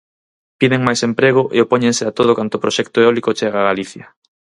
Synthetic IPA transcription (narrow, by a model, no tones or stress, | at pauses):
piðeŋmajsempɾeɣ̞oʔḛopoɲẽnseat̪oð̞ʊkant̪opɾoʃɛkt̪oeɔlikot͡ʃeɣ̞aɣaliθjɐ